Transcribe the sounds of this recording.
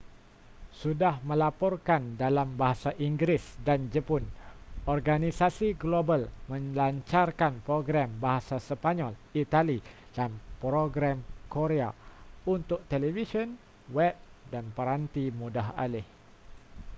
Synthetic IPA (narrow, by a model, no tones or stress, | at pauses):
sudahmə̃lapɔrkandalambaɦasaʔiŋɡɾɪsdand͡ʒəpʊnɔrɡanisasiɡlobalmə̃ɲlaɲt͡ʃarkanpɾoɡɾambaɦasasəpaɲɔlit̪ali | d̥anpɾoɡɾamkoɾeaunt̪ʊk̚t̪elɛvisɔn | wɛp̚danpəɾant̪imudaɦa̰lɪh